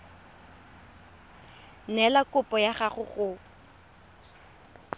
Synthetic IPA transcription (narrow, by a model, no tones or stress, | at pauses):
nɛlakʼʊpʼɔjaχaχʊɣʊ